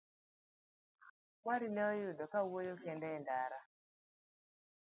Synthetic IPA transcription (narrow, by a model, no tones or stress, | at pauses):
waɾinɛɔjʊdɔkawojokɛndɛndaɾa